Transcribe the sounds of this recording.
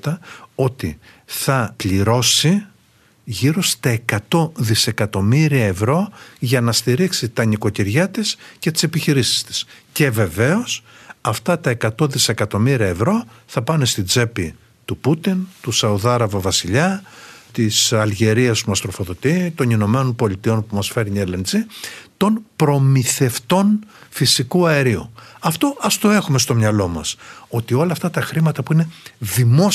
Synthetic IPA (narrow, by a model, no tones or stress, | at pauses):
t̪ɐo̞t̪i | θɐpʎiɾo̞si | ʝiɾo̞st̪ɐe̞kɐt̪o̞ðise̞kɐt̪o̞miɾiɐevɾo̞ʝɐnɐst̪iɾiksit̪ɐniko̞ciɾʝɐt̪isce̞t̪i̥se̞piçiɾisi̥st̪i̥sce̞ve̞ve̞o̞sɐft̪ɐt̪ɐe̞kɐt̪o̞ðise̞kɐt̪o̞miɾiɐevɾo̞ | θɐpɐnest̪id͡ze̞pi | t̪uput̪int̪usɐuðɐɾɐvɐvɐsiʎɐt̪isɐlʝe̞ɾiɐspumɐst̪ɾo̞fo̞ðo̞t̪it̪o̞nino̞me̞no̞npo̞lit̪io̞npumɐsfe̞ɾiɲele̞nd͡zit̪o̞npɾo̞miθe̞ft̪o̞nfisikuɐeɾiṵɐft̪o̞ʔɐst̪o̞e̞xume̞st̪o̞mɲɐlo̞mɐso̞t̪io̞lɐːft̪ɐt̪ɐxɾimɐt̪ɐpuine̞ðimo̞